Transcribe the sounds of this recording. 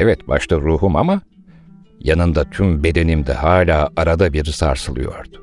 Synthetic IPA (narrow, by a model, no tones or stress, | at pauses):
ɛvɛt̪ba̰ʃt̪ʰaɾuːɦuma̰ma | janɯnd̪at̪ʰymbe̞d̪e̞nimd̪ɛ̰haːlʲaːaɾad̪abiɾsa̰ɾsɯlˠɯjo̞̰ɾd̪̥ʊ̥